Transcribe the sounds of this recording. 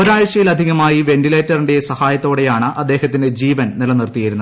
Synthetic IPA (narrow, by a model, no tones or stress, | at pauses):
oɾaːjɐɕɐjilɐd̪ʱiɣɐmaːjiʋe̞nʈileːtːɐriɳɖejesɐhaːjɐt̪ːo̞ːɽe̞jaːɳɨʔɐd̪ːe̞ːhɐt̪ːinde̞d͡ʑiːʋɐnnilɐnirt̪ːijɐjiɾunːɐð